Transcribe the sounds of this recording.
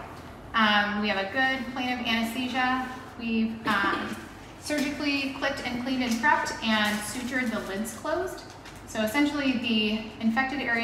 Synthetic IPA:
ʔʌ̃mwiɨvɨɡʊd̚pʰl̥ẽɪ̃ñʌvæ̃ɾ̃ɨstiʒə | wivʌ̃ | sɜ˞d͡ʒɨklikʰl̥ɪp̚tɨ̃nkʰl̥ĩnɨ̃nkʰɹ̥ʌp̚tɨ̃nsʉt͡ʃə˞d̪̚ðəlɪdz̥kʰl̥oʊzd̥ | soʊɨsɛ̃nʃl̩ˠiðiɨ̃ɱfɛk̚tɨɾɛɹi

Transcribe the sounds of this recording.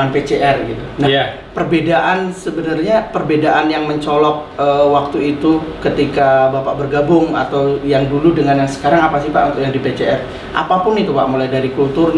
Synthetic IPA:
anpet͡ʃeʔɛrɡit̪unah | pərbedaʔansəbənarɲapərbedaʔanjaŋməɲt͡ʃɔlɔk̚əwak̚t̪uit̪ukət̪ikabapaʔbərɡabʊŋa̰t̪awjaŋduludəŋanjaŋsə̥kaɾaŋapasipaʔunt̪ʊk̚jaŋdipet͡ʃeɛr | ʔa̰papʊnit̪upa̰ʔmulajdaɾikult̪ʊr

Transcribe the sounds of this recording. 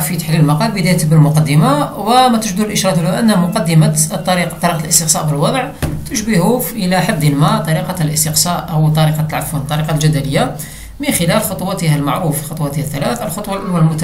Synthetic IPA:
fit̪aħliləlmɑqɑlbəd̪æjət̪əbəəlmʊqɑd̪ːəmawəmæt̪əʒd̪ulʔəʃɾˤɑt̪bəlhuʔənːhæmʊqɑd̪ːəmat̪ˤːɑɾiqt̪ːˤɑɾiqɑlʔəst̪əqsɑʔbəlwɑd̪ˤʕt̪əʃbəhuʔəlæħad̪ːənmæt̪ˤɑɾiqɑlʔəst̪əqsɑʔhʊwt̪ˤːɑɾiqɑlʕafunt̪ˤːɑɾiqɑlʒæd̪æləjːa | mənxəlælxot̪ˤwɑt̪əhælmaʕɾufxot̪ˤwɑt̪əhæθːælæθəlxot̪ˤwɑlʔænwælmʊt̪

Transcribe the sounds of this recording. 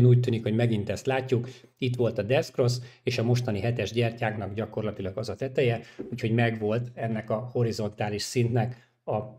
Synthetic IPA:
nuːc̚t̪ːyːnikho̞ɟmɛɡint̪ɛst̪laːcːukit̪ʋo̞lt̪ɒd̪ɛskro̞seːʃɒmo̞ʃt̪ɒniɦɛt̪ɛʒɟɛrcaːknɒɡɟɒko̞rlɒt̪ilɒɡɒzɒt̪ɛt̪ɛjɛuːcho̞ɟmɛɡʋo̞lt̪ɛnːɛkɒho̞ɾizo̞nt̪aːliʃsint̪nɛk | ɒ

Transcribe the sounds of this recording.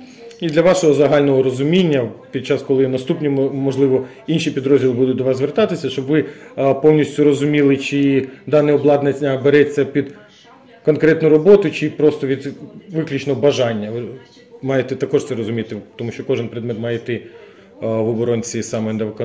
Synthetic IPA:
id̪lʲɐʋɑʃɔɦɔzɐɦɑlʲnɔɦɔɾɔzʊmʲinʲːɐpʲid̪̚t͡ʃɑskɔlˠɪnɐst̪upnʲimɔʒlˠɪʋɔ | inʃipʲid̪ɾɔzʲdʲilˠɪbud̪ʊt̚ʲd̪ɔʋɑszʋert̪ɑt̪ɪsʲɐʃt͡ʃɔbʋɪpɔwnʲisʲtʲʊɾɔzʊmʲilˠɪt͡ʃɪd̪ɑnɪɔblˠɑd̪nɐɐbeɾɛt͡sʲːɐpʲid̪ | kɔnkɾɛt̪nʊɾɔbɔt̪ʊt͡ʃɪpɾɔst̪ɔʋʲid̪ʋɪklʲut͡ʃnɔɦɔbɐʒɑnʲːɐʋɪ | mɑjet̪ɪt̪ɐkɔʂt̪sɛɾɔzʊmʲit̪ɪt̪ɔmuʃt͡ʃɔkɔʒɪnpɾed̪mɛt̪mɑjet̪ɪ | ʋɔbɔɾɔnt͡sʲisɑmenɐʋkɔ

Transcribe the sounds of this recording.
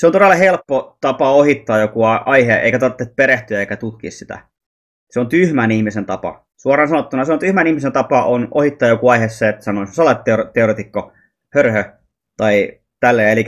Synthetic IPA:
seont̪oelːˑɑhelpːot̪ɑpɑohit̪ːɑːjokuɑɑiheʔḛikæt̪ɑrt̪ːet̪̚peɾeht̪yæeikæt̪ut̪kḭːssit̪æ̰ | seont̪yhmænihmisent̪ɑpɑ̰ | suɑrˑɑːnsɑnot̪ːunɑseont̪yhmænihmisent̪ɑpɑʔonohit̪ːɑːjokuɑihesːeet̪ːsɑnoisoselːˑɑt̪t̪ːeot̪eoreˑt̪ikːo | hørhø | t̪ɑi | t̪ælːeːelikæ

